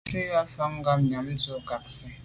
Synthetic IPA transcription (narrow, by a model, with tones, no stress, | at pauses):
te˦ja˦fa˦ŋ˦ɡa˦mɲa˨m̩˦t͡so˦ɡa˨k̚si˦